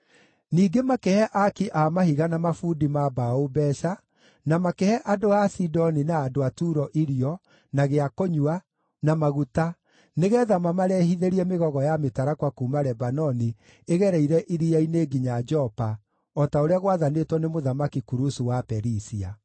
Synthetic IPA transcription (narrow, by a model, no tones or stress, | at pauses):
niːɡemakɛhɛʔakiʔaːmahiɣanamafuːdimabaobɛʃa | namakehɛʔadoasidɔninaːdoatuɾɔʔiɾiɔ | naɣeakoɲua | namaɣuta | neɣɛðamamaɾɛhiðeɾiɛmeɣɔɣɔjametaɾakwakuːmaɾɛbanɔni | eɣɛɾɛiɾɛʔiɾijaineːɡiɲad͡ʒɔpa | ɔtaoɾeaɣwaðanetwɔnemoðamakikuɾusuwapɛɾisia